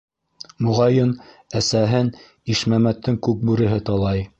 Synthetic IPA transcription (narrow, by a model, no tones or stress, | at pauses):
mŭʁɑjɤn | æsæɦɘn | iʃmæmæt̪ʰːɘŋkʉk̚bʉɾɘ̆ɦɘt̪ɑlˠɑj